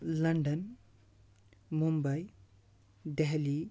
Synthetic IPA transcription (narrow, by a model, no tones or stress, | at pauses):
lɐɳɖɐn | mumbaj | ɖeɦli